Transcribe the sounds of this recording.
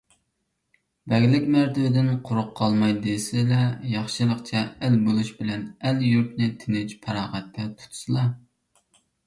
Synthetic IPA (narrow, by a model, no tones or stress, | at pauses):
bɛɡʲlɪkʲmæɾt̪ʰɪwɪd̪ɪnqʰʊɾʊqʰːɑlˠmɑjd̪esɪlɛjɑχʃɨlˠəqt͡ʃʰɛælbolˠuʃbɪlɛnæljuɾpnɪt̪ʰɪnɪt͡ʃpʰɑɾɑːʁɛt̪ʰːɛt̪ʰu̥t̪ʰsɨlˠɑ